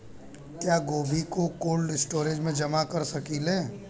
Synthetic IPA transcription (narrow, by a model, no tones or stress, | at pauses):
kjaːɡoːbʱikokoːlɖɪsʈoːɾed͡ʒmẽd͡ʒɐmakɐɾsɐkileː